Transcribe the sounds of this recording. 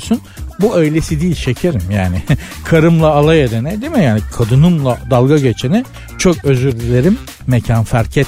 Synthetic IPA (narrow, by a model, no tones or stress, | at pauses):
sunbuøjlʲe̞sid̪iːlʲt͡ʃʰe̞cʰeɾimjaːnɪ | kʰaɾɯmlˠaːlˠajed̪enɛd̪emijaːnikʰad̪ɯnɯmlˠad̪alˠɡaɟe̞t͡ʃʰenɛ | t͡ʃʰo̞kø̞zyɾlʲylʲe̞ɾimː | ecʰanfæɾcʰɛt̪